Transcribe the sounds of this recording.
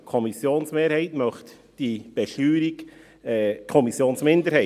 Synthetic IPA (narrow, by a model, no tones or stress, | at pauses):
kʰɔmisjoːnsmeːɾhɛɪtmœχt | d̥ib̥ɛʃyːɾik | ɛːkʰɔmisjoːnsmɪnd̪əɾhɛɪ